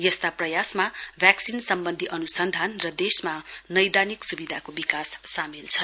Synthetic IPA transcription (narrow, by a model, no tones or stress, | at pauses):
jʌst̪aprʌjasmabʱjaksinsʌmbʌnd̪ʱiʔʌnusʌnd̪ʱanrʌd̪esmanʌjd̪aniksubid̪ʱakobikasːamilt͡sʰʌn